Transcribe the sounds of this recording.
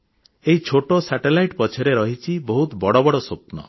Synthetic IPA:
eɦit͡ʃʰoʈosaʈelajʈpɔt͡ʃʰɔɾeɾɔɦit͡ʃʰibɔɦut̪bɔɽɔbɔɽɔsopnɔ̰

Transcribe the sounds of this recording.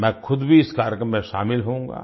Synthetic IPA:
mɛ̃ːxʊd̪bʱiɪskaːɾjəkɾəmːẽʃa̰ːmɪlɦõːŋɡa̰ː

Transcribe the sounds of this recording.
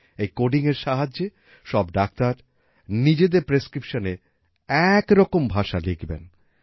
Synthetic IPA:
ejkoɖiŋeɾʃaɦad͡ʑːe | ʃɔbɖak̚t̪aɾ | nid͡ʑed̪eɾpɾeskɾipʃone | ɛkɾɔkombʱaʃaleɡbḛn

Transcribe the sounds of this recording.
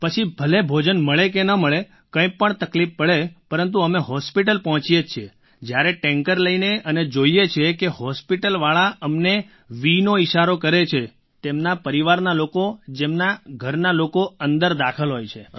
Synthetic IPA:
pət͡ʃʰibʱəlebʱod͡ʒənməɭekenəməɭe | kə̃ĩpəɳt̪əklifːəɭepəɾənt̪̬uəmeɦɔspiʈəlpəɦɔ̃t͡ʃijet͡ʃʰe | d͡ʒjaɾeʈɛ̃ŋkəɾləineʔəned͡ʒoiet͡ʃʰekehɔspiʈəlʋaɭaʔəmne | ʋinoiʃaɾokəɾet͡ʃʰe | t̪emnapəɾiʋaɾnalokod͡ʒemnaɡʱəɾnalokoənd̪əɾd̪akʰəlɦojt͡ʃʰe

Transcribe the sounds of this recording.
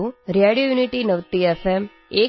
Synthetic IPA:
ũɾjaɽijojuniʈinəʋt̪iefem | e

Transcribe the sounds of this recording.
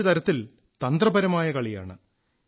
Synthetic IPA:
ɐt̪ɐɾɐt̪ːil | t̪ɐnd̪rɐbɐɾɐmaːjɐkɐɭija̰ːɳɨ

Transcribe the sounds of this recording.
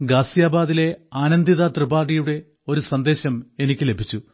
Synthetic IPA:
ɡaːsjaːbaːðile̞aːnɐnd̪iðat̪rɨbaːɽijuɽe̞ | o̞ɾusɐnd̪e̞ːɕɐme̞nikʲːɨle̞bʱit͡ɕːu

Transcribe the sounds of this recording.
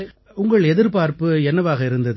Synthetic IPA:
ʊŋɡɐɭɛðɪɾpaːɾpɯɛnːɐʋaːɣɐɪɾɯnd̪ɐð

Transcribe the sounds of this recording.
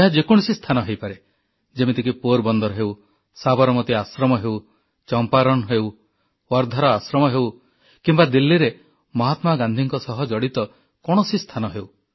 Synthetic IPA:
eɦad͡ʒekuɽ̃sist̪ʰanɔɦejpaɾe | d͡ʒemit̪ikipoɾbɔnd̪ɔɾɔɦew | sabɔɾɔmɔt̪iasɾɔmɔɦew | t͡ʃɔmpaɾɔñɦew | wɔɾd̪ʱaɾɔasɾɔmɔɦew | kimbad̪ilːiɾe | mɔɦat̪maɡand̪ʱiŋkɔsɔɦɔd͡ʒɔɽit̪ɔ | kɔɽ̃ɔsist̪ʰanɔɦew

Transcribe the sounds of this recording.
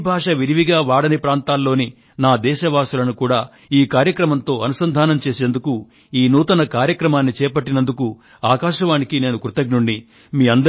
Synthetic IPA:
bʱaːʂɐʋiɾiʋiɡaːʋaːɽɐnipɾaːnt̪aːlːo̞ːni | naːd̪ɛːʃɐʋaːsulɐnukuːɽaː | iːkaːɾjɐkɾɐmɐnt̪o̞ːɐnusɐnd̪ʱaːnɐmt͡ʃe̞ːseːnd̪uku | iːnuːt̪ɐnɐkaːɾjɐkɾɐmaːnːit͡ʃɛːpɐʈːinɐnd̪uku | aːkaːʃɐʋaːnikine̞ːnukɾut̪ɐɡ̚nuɳɖi | miːɐnd̪ɐ

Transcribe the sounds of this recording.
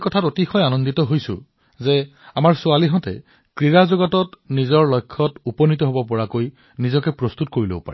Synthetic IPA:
kɔtʰatotixɔjanɔnditɔɦojsʊ̰ | zɛamaɹsʊaliɦɔ̃tɛ̰ | kɹiɹazɔɡɔtɔtnizɔɹlɔjkʰːɔtupɔnitɔɦobɔpɔɹakoj | nizɔkɛpɹɔst̪utkoɹilo̰bɔpa̰ɹɛ

